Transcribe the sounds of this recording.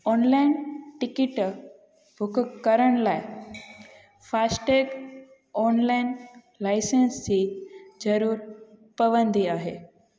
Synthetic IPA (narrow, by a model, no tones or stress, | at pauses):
ɔːnlaːɪnʈɪkɪʈ | bʱʊkkɐɾəɽ̃laːɪ | faːsʈeːɡ | ɔːnlaːɪn | laːɪsensid͡ʑɐɾuːɾpɐʋə̃nd̪iaːɦḛː